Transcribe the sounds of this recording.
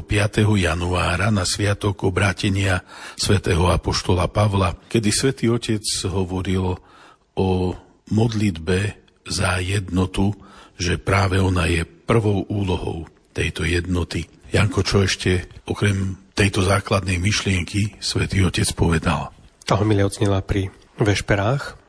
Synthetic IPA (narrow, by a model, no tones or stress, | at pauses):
pɪat̪ɛɦɔjanuaːɾanasʋɪat̪ɔɡɔbɾaːcɛɲɪasʋɛt̪ɛːɦɔapɔʃt̪ɔlapaʋlakɛd̪isʋɛt̪iːɔcɛd͡zɦɔʋɔɾil | ɔ | mɔd̪lid̪bɛ | zajɛd̪nɔt̪uʒɛpɾaːʋɛɔnajɛpr̩ʋɔʊʔuːlɔɦɔ̰ʊ | t̪ɛjt̪ɔjɛd̪nɔt̪ijaŋkɔt͡ʃɔɛʃcɛɔkɾɛmt̪ɛjt̪ɔzaːklad̪nɛjmiʃlɪɛŋkʰisʋɛt̪iːɔcɛt͡spɔʋɛd̪a̰lt̪aɦɔmilɪaɔzɲɛlapɾi | ʋɛʃpɛɾaːx